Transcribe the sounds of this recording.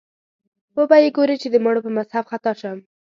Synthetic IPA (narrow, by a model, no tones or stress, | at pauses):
wobɑjeɡoɾet͡ʃed̪əmaɽopəmazhabxat̪ɑʃam